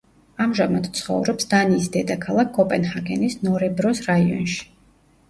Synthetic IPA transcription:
amʒamad̪t̪sʰχɔ̰vɾɔpsd̪aniːsd̪ɛd̪akʰalˠakʰːɔpʼɛnhaɡɛnisnɔɾɛbɾɔsɾaiɔ̰nʃi̥

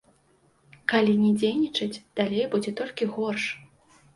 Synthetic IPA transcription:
kalʲinʲɛd͡zʲejnʲit͡ʂɨd͡zʲd̪̥alʲejbud͡zʲɛt̪ɔlʲkʲiɣɔrʂ

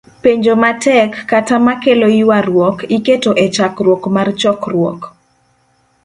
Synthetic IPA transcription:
peɲd͡ʒomatɛkːatamakeloiwaɾwɔkiketoʔet͡ʃakrwɔkmart͡ʃɔkrwɔ̰k

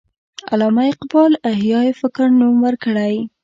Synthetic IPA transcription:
a̰lɑmajqbɑlaɦjɑjefɪkɾnumwəɾkəɽaj

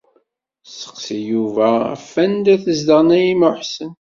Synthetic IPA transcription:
sə̥qsijuvææ̰fːænd̪æθəzd̪əʁnæjiməħsən

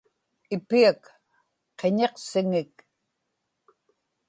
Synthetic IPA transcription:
ɪpiak | qe̞ɲe̞qsɪŋɪk

